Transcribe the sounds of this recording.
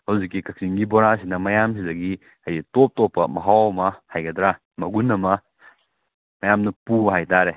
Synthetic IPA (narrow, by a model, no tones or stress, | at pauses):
hɐwzikːikɐk̚siŋɡiboɾasinɐmɐjamsidɐɡi | hɐjitop̚topːɐ̰mɐɦawɐmɐhajɡɐd̪ɾa | mɐɡunːɐmɐ | mɐjamnɐpuɦajtaɾe